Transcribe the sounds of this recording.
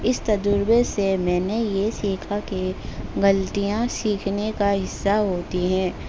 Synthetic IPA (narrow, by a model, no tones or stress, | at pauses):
ɪst̪ɐd͡ʒ̪ʊɾbesemɛ̃ːnejesiːkʰakeɡɐlt̪ijãsiːkʰnekaɦɪsːaɦoːt̪iɦɛ̃ː